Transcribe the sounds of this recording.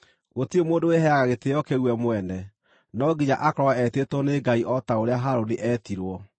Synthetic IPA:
ɣotiomoːndoweɦɛaɣaɣetejɔkeɣwɛmowɛnɛ | nɔɡiɲaʔakɾɔɛɛtetwɔneɡaiʔɔtaoɾeaɦaɾoliʔɛtiɾwɔ

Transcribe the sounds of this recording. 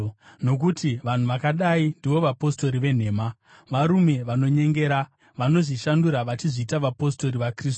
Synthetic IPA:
no̞k̬utiʋan̤uʋakaɗaindiʋo̞ʋapo̞sto̞ɾiʋe̞n̤e̞ːma | ʋaɾume̞ʋano̞ɲe̞ŋɡe̞ɾa | ʋano̞ʐiʃanduɾaʋat͡ʃiʐiːtaʋapo̞s̬to̞ɾiʋakrisu̥

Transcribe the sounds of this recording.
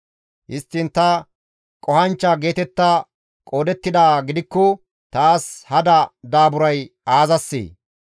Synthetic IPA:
hɪst̪ːɪnt̪ɐ | kʼɔhɐnt͡ʃːɐɡe̞ːt̪ɛt̪ːɐ | kʼo̞ːd̪ɛt̪ːɪd̪aːɡɪd̪ɪkːɔ | t̪aːshɐd̪ɐd̪aːbʊɾɐjaːzɐsːḛː

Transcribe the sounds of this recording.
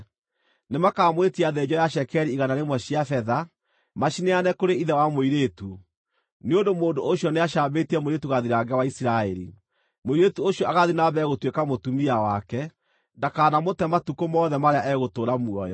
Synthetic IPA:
nemakamwetiaðɛɲd͡ʑɔjaʃ̬ɛkɛɾiːɣanaɾemwɔɕiafɛða | maʃineanɛkoɾeiðɛwamoiɾetu | neondomoːndoʔoɕjɔneaʃaːbetiɛmoiɾetuɣaðiɾaɡɛwaisiɾaɛɾḭ | moiɾetuoɕjɔaɣaðinabɛɣotwekamotumiawakɛ | dakaːnamotɛmatukomɔðɛmaɾeaʔɛɣotoːɾamuɔjɔ

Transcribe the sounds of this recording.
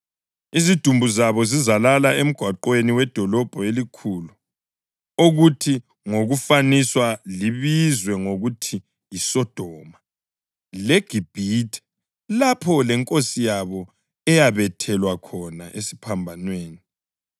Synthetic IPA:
izid̥ʱumbʱuzaβɔzizalalaem̩ɡ̥ʱwaǃweniwɛd̥ʱɔlɔb̥ʱɔelikʰulu | oɣutʰi | ŋoɣufaniswaliβizwɛŋoɣutʰi | jisɔd̥ʱɔːma | lɛɡ̥ʱib̥ʱitʰɛ̥ | lapʰɔlɛŋkʼosijaβɔ | ɛjaβɛtʰɛlwakʰɔnaʔesi̥pʰambʱanweːni

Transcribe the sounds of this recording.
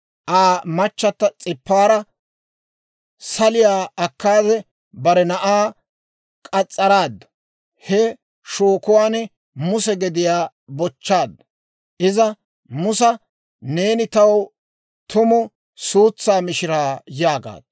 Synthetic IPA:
ʔaːmɐt͡ʃːɐt̪ːɐt͡sʼɪpːaːɾɐ | sɐlɪjaːɐkːaːd̪ɛ | bɐɾɛnɐʔaː | kʼɐt͡sʼːɐɾaːd̪ːɐ̥ | hɛ | ʃoːkʊwaːnɛ | mʊsɛɡɛd̪ɪjaː | bɔt͡ʃːaːd̪ːɐ | ʔɪzɐ | mʊsɐ | ne̞ːnɪt̪ɐw | t̪ʊmɔ | suːt͡sːaːmɪʃɪɾaːjaːɡa̰ːd̪̥

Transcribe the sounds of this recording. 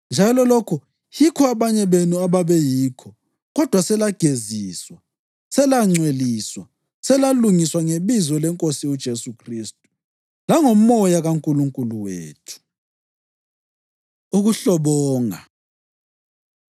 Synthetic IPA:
nd͡ʒʱalɔlokʰu | jikʰɔaβaɲɛβenuaβaβɛjiːkʰɔ | ɣɔd̥ʱwasɛlaɡ̥ʱeziːswa | sɛlaŋ͡ǀweliːswa | sɛlaluŋiswaŋeβizɔlɛŋkʼosiud̥ʒ̥ʱesukʰristʼu̥ | laŋom̩ɔjaɣaŋkʼuluŋkʼuluwḛːtʰu̥ | uɣuɬɔβɔːŋa̰

